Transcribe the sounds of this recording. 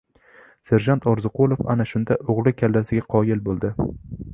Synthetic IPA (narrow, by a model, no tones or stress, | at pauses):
seɾʒant̪ʰɒɾzɨqolˠofa̰naʃʊnd̪aʔoʁlˠɪkʲʰalːasɪɡʲaqʰɒjɪlbolˠd̪ɪ